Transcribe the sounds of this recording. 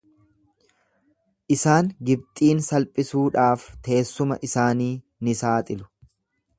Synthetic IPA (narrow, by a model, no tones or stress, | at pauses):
ʔɪsaːŋɡɪb̚t̪ʼiːnsɐlpʼɪsuːᶑaːft̪ʰe̞ːsːʊmɐ̰ʔɪsaːniː | nɪsaːt̪ʼɪlʊ̥